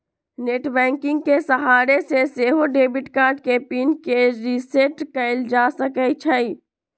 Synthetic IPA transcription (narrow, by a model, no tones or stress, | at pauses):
neːʈbɛ̃ːŋkɪ̃ŋɡ̚kesəɦaːɾeseseɦoɖeːbɪʈkaːɾʈkepiːnkeɾiseʈkəɪld͡ʒasəkət͡ʃʰəi